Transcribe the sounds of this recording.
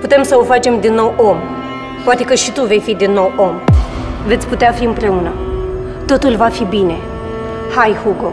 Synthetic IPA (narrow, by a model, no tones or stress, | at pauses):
put̪e̞msəofat͡ʃe̞md̪inːo̞wʔo̞m | poat̪e̞kəʃit̪uve̞jfid̪inːo̞wom | ve̞t̪sʲput̪eafiɨmpɾe̞unə | t̪o̞t̪ulvafibine̞ | hajhuɡo